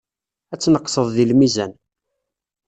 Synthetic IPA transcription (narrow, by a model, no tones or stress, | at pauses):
æt͡sːnəqːsəðˤðilmizæn